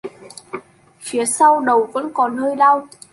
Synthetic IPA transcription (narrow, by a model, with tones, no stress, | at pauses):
fi˨˦əsa˧wɗə˨˩wvə̰˧˥nkɔ˨˦nːəː˧jlaː˧w